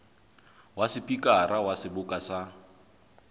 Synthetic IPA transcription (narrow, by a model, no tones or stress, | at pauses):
wasɪpʼikʼaɾʔawasɪbʊkʼasa